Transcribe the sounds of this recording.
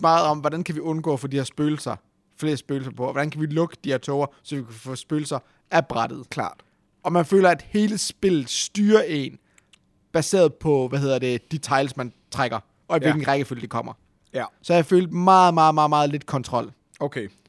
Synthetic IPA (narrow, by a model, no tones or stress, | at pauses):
mɑ̈ːð̩ˠɒ̽mʋɒɾænkʰæʋiɔ̽nɡ̥ɔ̰̽ːfɒ̽diheɐsb̥øːl̩sɐ | fle̝̰ːɐsb̥øːl̩sɐpʰɒ̽ɒʋɒd̥ænkʰæʋilɔ̽ɡ̥ə̥d̥ihæɐt͡sʰo̝ʊːɐsɒ̽ʋikʰæfɔsb̥øːləsɐ | ʔæɐb̥ʁɑd̥ð̩ˠkʰlɑ̰ːd̥ | ʔɒ̽mænføːlɐæd̥he̝ːləsb̥e̝l̰ð̩ˠsd̥yːɐe̝ːn | b̥æse̝̰ːɐð̩ˠpʰɒ̽ʋæhe̝ð̰ˠɐd̥e̝d̥it͡sʰɑ̈ɪlsmænt͡sʰʁaɡ̥ɐ | ɒ̽iʋe̝lɡ̥n̩ʁaɡ̥əfyld̥ekʰɒ̽m̰ɐ | sɒ̽jafø̰ːld̥mɑ̈ːð̩ˠmɑ̈ːð̩ˠmɑðˠmɑ̈ːð̞̩ˠle̝d̥̚kʰɒ̽nt͡sʰʁɒ̽l̰ | okʰe